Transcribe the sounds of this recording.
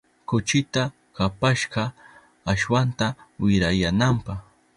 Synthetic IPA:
kʊt͡ʃɪt̪a | kapaʃɢɑ | aʃwant̪awɪɾajanampɑχ

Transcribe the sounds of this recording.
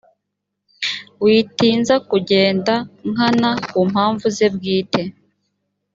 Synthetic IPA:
wiːtiːnzakuɟe̞ːndaŋanakuːmhaːɱvuze̞bɡiːte̞

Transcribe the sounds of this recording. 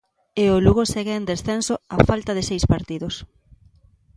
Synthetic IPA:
eoluɣosɛɣɪend̪esθensoafalt̪aðɪsejspaɾt̪iðos

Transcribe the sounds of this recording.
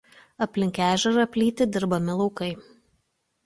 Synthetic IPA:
ɐpʲlʲɪŋʲkʲæːʒʲɛɾɐpʲlʲiːt̪ʲɪd̪ʲɪɾbɐmʲɪlˠɒʊkɐɪ

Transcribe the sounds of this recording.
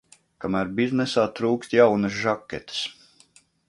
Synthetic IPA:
kamæːɾbiznɛsaːt̪ɾuːkst̪jawnɐs̬ʒakʲːɛt̪ə̥s

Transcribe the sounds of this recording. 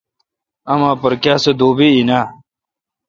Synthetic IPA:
ɐmãːpɐɾkjaːsed̪oːbiinaː

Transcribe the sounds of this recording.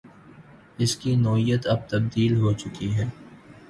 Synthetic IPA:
ɪskinɔːɦijət̪ɐb̚t̪ɐb̚d̪iːlɦot͡ʃʊkiɦɛː

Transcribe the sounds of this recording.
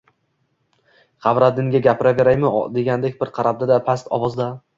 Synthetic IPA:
qʰɑvɾad̪ɪŋɡʲaɡʲapʰɪɾave̞ɾajmɪd̪e̞ɡʲand̪ekʲbɪɾqʰɑɾab̚d̪ad̪apʰast̪ɒ̰vɒzd̪a

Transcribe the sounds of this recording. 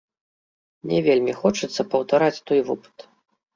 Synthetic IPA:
nʲɛvʲelʲmʲixɔt͡ʂɨt̪sːɐpɐwt̪aɾat͡sʲt̪ɔjvɨpɨ̥t̪

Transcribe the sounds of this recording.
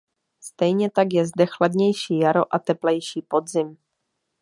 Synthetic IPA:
st̪ɛjɲɛt̪aɡjɛzdɛxladɲɛjʃiːjaɾo̞ʔat̪ɛplɛjʃiːpo̞d̪zɪm

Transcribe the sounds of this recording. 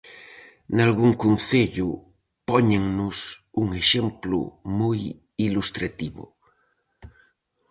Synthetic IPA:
nalɣuŋkunθeʎu | pɔɲeŋnusuŋeʃemplṵmoj | ilust̪ɾat̪iβṵ

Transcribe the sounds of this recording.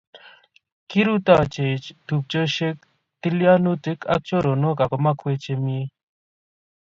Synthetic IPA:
kiɾut̪aːt͡ʃet͡ʃd̪̥up̚t͡ʃəɕek̚ | t̪iljaːnut͡s̪ekʰɐ̰k̚t͡ʃoɾonoːkakomakʰwet͡ʃemie

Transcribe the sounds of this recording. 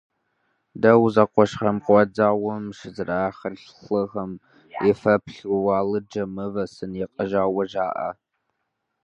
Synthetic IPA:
dɐwzɐqʷɔʃχɐmqʷɔd͡zaːwɐmʃɨzɨraːχɐɮ | ɬɨʁɐm | ɛfɐpɬʊwaːlɨd͡ʒɐmɨvɐsɨnjɛqʼɐʒaːwɐʒaːʔɐ̰

